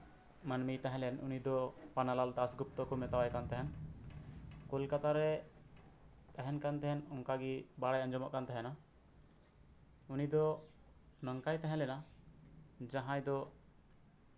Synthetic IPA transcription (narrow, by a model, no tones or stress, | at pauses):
manmijt̪ɛɦɛ̃lɛnṵnid̪ɔpanalalt̪asɡup̚t̪ɔkumɛt̪awajkant̪ɛɦɛn | kolkat̪aɾɛ | t̪ɛɦɛnkant̪ɛɦɛnɔŋkaɡibaɽajand͡ʒɔmɔ̰ʔkant̪ɛɦɛna | unid̪ɔ | nɔŋkajt̪ɛɦɛ̃lɛna | d͡ʒaɦãjd̪ɔ